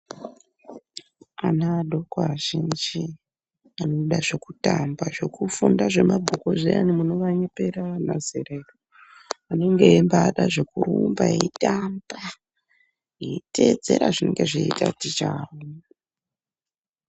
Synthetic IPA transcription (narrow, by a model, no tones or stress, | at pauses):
anaɗʱo̞kaʒind͡ʒi | anoɗaʐekutambaʐe̞kufundaʐe̞mabʱukoʐea̰nimuno̞ʋaɲepeɾanazḛɾairo | ane̞ŋɡe̞embaːɗaʐe̞kuɾumbaeitamba | jeite̞ːd͡ze̞ɾaʐine̞ŋɡe̞ʐeita̰tit͡ʃaʋo